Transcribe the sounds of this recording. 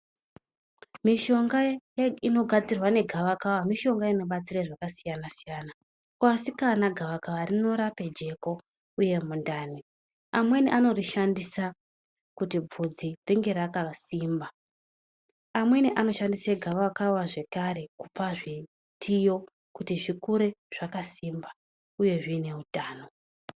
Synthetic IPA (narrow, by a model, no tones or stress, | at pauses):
miʃo̞ŋɡajino̞ɡʱad͡zirwane̞ɡʱaʋakawamiʃo̞ŋɡaino̞ɓat͡siraʐakasijanasijana | kwasikanaɡʱaʋakaʋarino̞ɾape̞d͡ʒe̞ko̞ | uje̞mundaːnwe | amwe̞niʔano̞riʃandisa | kutib͡vud͡ziriŋɡe̞ɾakasimba | amwe̞niʔano̞ʃandiseɡʱaʋakawaʐe̞kaɾe̞kupaʐi | tʰijo̞ | kutiʐikuɾe̞ʐ̥akasimba | uje̞ʐine̞utaːno̞